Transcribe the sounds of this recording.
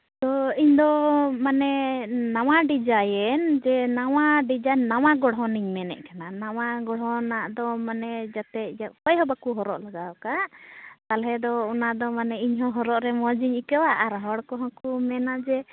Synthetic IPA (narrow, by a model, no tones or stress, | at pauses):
t̪ɔiɲd̪ɔmanɛnawaɖid͡ʒajɛnd͡ʒɛnawaɖid͡ʒanawaɡɔɽɦɔniɲmɛnɛ̰ʔkananaw̃aɡɔɽɦɔnaʔd̪ɔmanɛd͡ʒat̪ɛd͡ʒaʔpɔjɦɔbakuɦɔɾɔʔlaɡakaʔt̪alɦɛd̪ɔunaʔd̪ɔmanɛiɲɦɔɦɔɾɔʔɾɛmɔd͡ʒiɲikɛwaʔːɾɦɔɽkɔɦãkumɛnaʔd͡ʒɛ